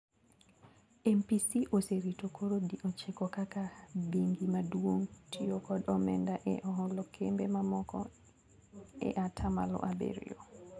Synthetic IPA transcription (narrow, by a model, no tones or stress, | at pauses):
ɛmpisiʔoseɾitokʰoɾodiʔɔt͡ʃekɔkakabiŋɡimadwoŋtʰiokɔdɔmɛndaʔɛʔɔɦɔlokʰembemamɔkʰɔ̰ | ɛ̰ʔatʰama̰lɔ̰ʔabḛɾḭjo̰